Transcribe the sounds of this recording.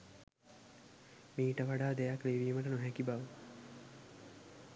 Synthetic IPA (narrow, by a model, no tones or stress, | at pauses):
miːʈəʋaɖaːd̪ejakliʋiːməʈənoɦɛkibaʋə